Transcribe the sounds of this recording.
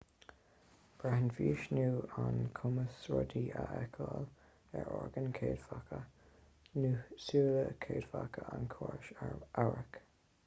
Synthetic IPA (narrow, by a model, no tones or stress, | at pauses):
b̥ɹahənviːʃnuːankʰʊməsɹɔdiʔaʔɛkʰəl | ɛɹɔɹɡənkʰeːdfakʰə | nusuːləkʰeːd̥fakʰəankʰɔːɹʃaɹaɹək